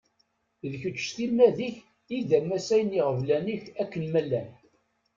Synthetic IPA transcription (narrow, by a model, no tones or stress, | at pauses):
ðçət͡ʃːθimːæðiç | iðæmæsæjniʁəvlæniçækːənmælːæn